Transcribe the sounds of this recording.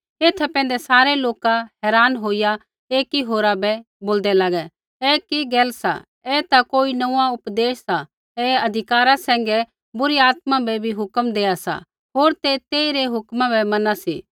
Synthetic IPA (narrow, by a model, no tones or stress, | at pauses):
eːt̪ʰɛpɛ̃ːn̆d̪ɛsaːɾeloːkaɦɛːɾaːnɦoːija | eːkiɦoːɾabɛ | boːld̪ɛlaːɡɛ | ɛkiɡɛːlsa̰ | ɛt̪akoːinɐãʊpd̪eːssa | ɛɐd̪ʱɪkaːɾasɛ̃ːŋɡɛ | bʊɾiaːt̪mãbɛbʱiɦʊkəmd̪eːasa̰ | ɦoːɾt̪et̪eːiɾeɦʊkmãbɛmɐnasḭ